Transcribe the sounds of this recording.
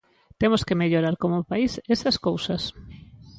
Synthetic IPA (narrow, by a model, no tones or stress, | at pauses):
t̪emoskemeʎoɾaɾkomʊpaisesɐskowsɐs